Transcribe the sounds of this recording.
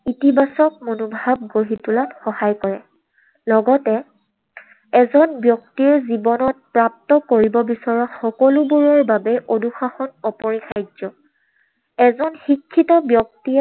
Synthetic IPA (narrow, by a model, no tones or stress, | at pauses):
itibʱasɔk̚monubʱab̚ɡoɦitulatxɔhajkɔɹɛ | lɔɡɔtɛ | ɛzɔnbjɔktiɹzibɔnɔt̚pɹap̚tɔkoɹibɔbisɔɹɔxɔkɔlubuɹɔɹbabɛʔoduxaxɔnɔpɔɹixajd͡ʒzɔ | ɛzɔnxikʰːitɔbjɔk̚ti